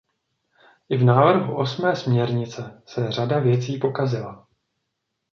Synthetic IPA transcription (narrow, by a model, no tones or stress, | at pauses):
ʔɪvnaːvr̩ɦuʔo̞smɛːsmɲɛɾɲɪt͡sɛsɛr̝adavjɛt͡siːpo̞kazɪla